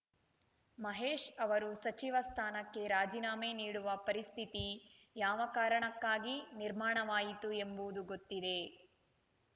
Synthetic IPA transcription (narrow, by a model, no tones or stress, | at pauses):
mɐɦeːʂɐʋɐɾusɐt͡ʃiʋɐst̪ʰaːnɐkːe̞ɾaːd͡ʒiːnaːmeːniːɽuʋɐpɐɾist̪ʰit̪i | jaːʋɐkaːɾɐɳɐkːaːɡiniɾmaːɳɐʋaːjit̪ue̞mbud̪uɡo̞t̪ːid̪e̞